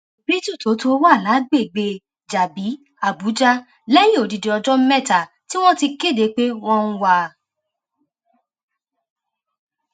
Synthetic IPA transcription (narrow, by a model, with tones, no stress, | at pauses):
bi˦tu˦˨to˨˦to˦wa˦˨la˨˦ɡ͡be˦˨ɡ͡be˧ | d͡ʒa˨bi˨˦ | a˨bu˨˦d͡ʒa˦ | lɛ˦jĩ˦o˨di˨de˨ɔ˧d͡ʒɔ˦m̩˦mɛ˦˨ta˨ | ti˦w̃ɔ̃˦ti˧ke˦˨de˨˦k͡pe˦w̃ɔ̃˦ñ̩˦wa˧